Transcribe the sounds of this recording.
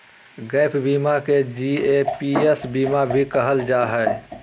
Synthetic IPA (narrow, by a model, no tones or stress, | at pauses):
ɡəːpʰbiːmaked͡ʒiːepiesbiːmabʱikəɦəld͡ʒaːɦɛe